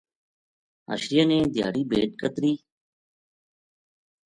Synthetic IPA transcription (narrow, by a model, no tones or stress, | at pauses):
ɦə̰ʃɾɪjaːnẽːd̪ɪja̰ːɽiːbʱeːʈ̚kət̪ɾiː